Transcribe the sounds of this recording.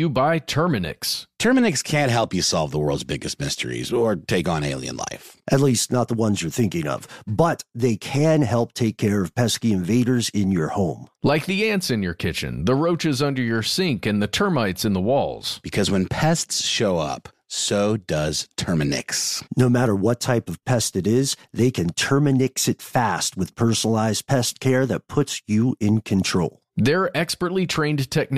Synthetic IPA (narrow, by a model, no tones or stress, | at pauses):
jɨbaɪtʰɜ˞mɨnɪ̰kstʰɜ˞mɨnɨkskʰæ̃nʔ̚ɦɛlˠpjɨsɑlˠvðəwɜ˞lˠdzbɪɡɨst̚mɪstʰə̰˞ḭzə˞tʰeɪkn̩eɪlˠḭɨ̰̃nla̰ɪfʔɨtˡlistⁿnət̪̚ðəwʌ̃nzjə˞θɪ̃ŋkɪ̃ŋʌ̰v̥bʌt̪̚ðeɪkʰɨ̃nɦɛlˠp̚tʰeɪkʰɛɹʌv̥pʰɛskiɨ̃ɱveɪɾə˞zɪ̃njə˞hõʊ̃mlaɪk̚ðiæ̃ntsɨ̃njə˞kʰɪt͡ʃɨ̰̃nðəɹoʊt͡ʃɨzʌ̃ndə˞jə˞sɪ̃ŋkɨ̃nðɨtʰɜ˞maɪtsɨ̃nðəwɔ̰lˠz̥b̥ɨkʰʌzwə̃npʰɛstsʃoʊʌ̰p | soʊdʌz̥tʰɜ˞mɨnɪ̰ksnoʊmæɾə˞wʌtʰaɪpʌv̥pʰɛstɨɾɪzðeɪkʰɨ̃ntʰɜ˞mɨnɪksɨtfæst̚wɨð̥pʰɜ˞sənlˠaɪzpʰɛstkʰɛɹðɨt̚pʰʊtsjɨɪ̃nkʰɨ̃ntʰɹ̥oʊlˠðə˞ʔɛkspə˞tˡlitʰɹ̥ẽɪ̃ndtʰɛk̚n